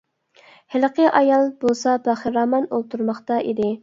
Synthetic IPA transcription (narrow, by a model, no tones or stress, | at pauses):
hɪlqʰəʔɑjɑlˠbolˠsɑpæχəɾɑːmɑnolˠt̪ʰuɾmɑχt̪ɑʔḭd̪ɪ